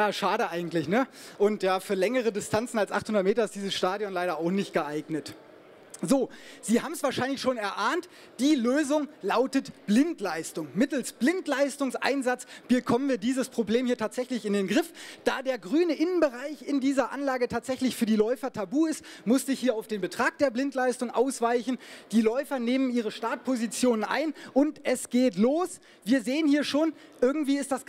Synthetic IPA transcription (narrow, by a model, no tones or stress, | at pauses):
jaːʃaːɾəʔaɪɡŋ̩tlɪçnəʔʊntjaːfyːɐlɛŋəʁ̞ədɪstʰant͡sn̩alsʔa̰χthʊndɐt̚meːtɐɪstd̥iːzəsʃtaːdjɔnlaɪɾɐaʊxnɪçt̚ɡ̥əʔaɪɡnət | zoːz̥iːhaːbm̩sv̥aːɐʃaɪnlɪçʃoːnɛɐʔaːnt | d̥iːløːzʊŋlaʊtətb̥lɪntlaɪstʊŋmɪtl̩sb̥lɪntlaɪstʊŋsʔa̰ɪnzat͡sb̥əkʰɔmənviːɐdiːzəspʁ̥obleːmhiːɐtʰaːtz̥ɛçlɪçɪndeːnɡʁɪfd̥aːdeːɐɡʁyːnəʔɪnənbəʁaɪçɪndiːzɐʔa̰nlaːɡətʰaːtz̥ɛçlɪçfyːɐdiːlɔʏfɐtʰabuːɪstmʊstɪçhiːɐaʊfd̥eːnbətʁ̥aːk̚d̥eːɐblɪntʰlaɪstʊŋʔa̰ʊsv̥aɪçn̩d̥iːlɔʏfɐneːməniːʁ̞əʃtaːɐt̚pʰozit͡sjoːnənʔa̰ɪnʔʊntʔɛsɡ̥eːtloːs | v̥iːɐzeːənhiːɐʃoːn | ʔɪɐɡŋ̩tv̥iːɪstd̥as